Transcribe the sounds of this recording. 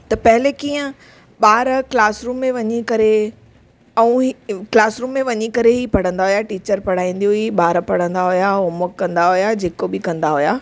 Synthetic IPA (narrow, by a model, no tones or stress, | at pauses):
t̪ɐpɐɦɪlekiːə̃ | ɓaːɾklaːsɾuːmːẽʋɐɲikɐɾe | ɛ̃ũklaːsɾuːmːẽʋɐɲikɐɾeɦipɐɽ̤ə̃nd̪aɦʊjaʈiːt͡ɕəɾpɐɽ̤aːĩːnd̪ijoiɓaːɾpɐɽ̤ə̃nd̪aɦʊjaomʊkːɐ̃nd̪aɦʊjad͡ʑeːkobɪkɐ̃nd̪aɦʊjaː